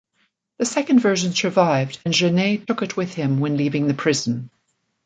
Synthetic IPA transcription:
ðɨsɛkɨ̃ndvɜ˞ʒɨ̃nsə˞vaɪvdɨ̃nʒɨneɪtʰʊkɨʔ̚wɪð̥ɪ̃mwɨ̃nlivɪ̃ŋðɨpʰɹ̥ɪz̃n̩

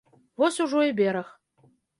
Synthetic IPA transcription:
vɔsʲuʐɔibʲeɾɐx

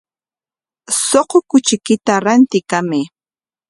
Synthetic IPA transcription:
soqokʊt͡ʃɪkɪt̪aɾant̪ɪkamɪ

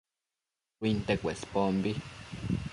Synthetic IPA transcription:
kʷint̪ekʷespombi

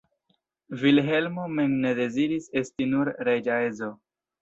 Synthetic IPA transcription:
vilɦe̞lmomeŋne̞de̞ziɾise̞stinuɾɾed͡ʒaezo

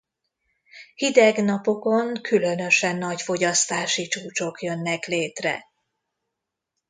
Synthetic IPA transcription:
hid̪ɛɡnɒpo̞ko̞ŋkʰylø̞nø̞ʃɛnːɒɟfo̞ɟɒst̪aːʃit͡ʃuːt͡ʃo̞kjønːɛkleːt̪rɛ̰

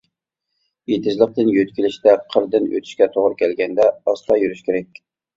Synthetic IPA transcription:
jet̪ʰɪʒlˠəq̚t̪ɨnjøt̪kʲilɪʃt̪ɛqʰəɾd̪ɨnø̰t̪ʰy̥ʃkʲɛt̪ʰoʁɾɨkʲʰɛlɡʲɛnd̪ɛɑst̪ʰɑjyɾyʃkʲʰeɾɛkʲ

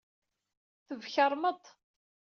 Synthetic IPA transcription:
θəvçəɾˤmət̪ˤ

